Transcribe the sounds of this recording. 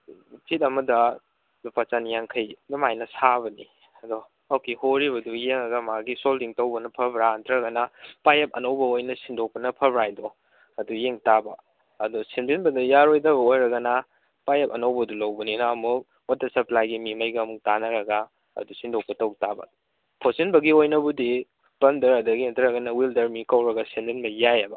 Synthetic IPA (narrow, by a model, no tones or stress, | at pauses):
pʰit̚ɐmɐdɐ | upat͡ʃanjaŋkʰɐjnumajnɐsaβɐni | ɐdɔ | okihoɾibɐdujeŋɐɡɐmaɡisoldiŋtɐwbɐnɐpʰɐbɾantɾɐɡɐnɐpajep̚ɐnɐwbɐojnɐsindok̚pɐnɐpʰɐbɾajdɔ | ɐdujeŋtabɐ̰ | ɐdusendinbɐdɐjaɾojdɐbɐojɾɐɡɐnɐ | pajɐpɐnɐwbɐdulɐwbɐninaɐmu | wɐtːɐsɐplajɡimimɐjɡɐːmuk̚tanɐɾɐɡa | ɐ̰dusindok̚pɐtɐwtabɐ̰ | pʰosinbɐɡiojnɐbudi | pɐndɐɾɐdɐɡiɐtɐɾɐɡɐnɐwildɐɾmikɐwɾɐɡɐsendinbɐjajɐbɐ